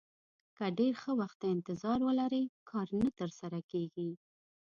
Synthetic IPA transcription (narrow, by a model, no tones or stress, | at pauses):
kəɖeɾxəwaxt̪ːaɪnt̪ɪzɑɾwəlaɾəkʰɑɾnat̪əɾsaɾakeɡi